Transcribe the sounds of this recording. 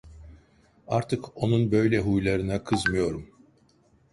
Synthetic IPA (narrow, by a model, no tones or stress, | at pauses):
aɾt̪ʰɯko̞nunbø̞jlʲɛɦujlˠaɾɯnakʰɯzmɯjo̞ɾum